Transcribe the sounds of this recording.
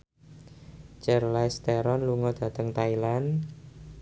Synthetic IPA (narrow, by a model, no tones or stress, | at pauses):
t͡ʃərlast̪ɛɾɔnluŋɔd̪̥ä̤t̪əŋt̪ailan